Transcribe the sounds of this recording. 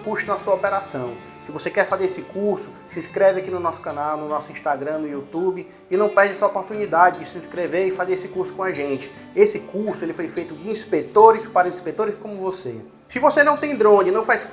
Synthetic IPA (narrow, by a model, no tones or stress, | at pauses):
kuʃt̪ʊnɐsuɐɔpɛɾasɐ̃w̃ | sɪvosekɛɾfazeɾesɪkuɾsʊ̥ | sĩskɾɛvɪakinʊnɔsʊ̥kɐ̃nawnʊnɔsʊĩʃt̪aɡɾɐ̃nʊjut̪ubɪː | nɐ̃w̃pɛɾd͡ʒɪɛsɐopoɾt̪unid̪ad͡ʒɪd͡ʒɪsĩskɾeveɾɪfazeɾesɪkuɾsʊ̥kõaʒẽt͡ʃɪ̥ | esɪkuɾsʊelɪfojfejt̪ʊd͡ʒɪĩspet̪oɾɪspaɾɐĩspet̪oɾɪskõmʊvose | sɪvosenɐ̃w̃t̪ẽj̃d̪ɾõd͡ʒɪnɐ̃w̃fajs